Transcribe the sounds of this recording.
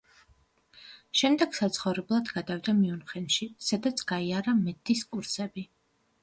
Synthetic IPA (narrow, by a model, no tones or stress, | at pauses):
ʃɛmd̪ɛɡ̥sat̪sʰχɔvɾɛblˠad̪ɡad̪avd̪amiunχɛnʃisad̪at̪sʰɡ̥aiaɾamɛd̪ʰiskʼuɾsɛbi